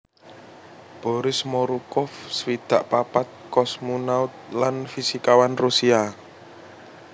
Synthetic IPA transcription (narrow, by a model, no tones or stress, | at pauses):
b̥ɔ̤ɾɪsmɔɾukɔfswid̪̥a̤ʔpapat̪̚kɔsmunaʊt̪̚lanfisikawanrusia